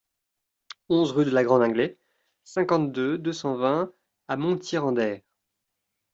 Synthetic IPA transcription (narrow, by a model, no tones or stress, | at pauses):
ɔ̃zʁyd̪əlaɡʁɑ̃d̪ɑ̃ɡlɛ | sɛ̃kɑ̃t̪̚d̪ød̪øsɑ̃vɛ̃ | amɔ̃t̪ʰjiʁɑ̃d̪ɛːʁ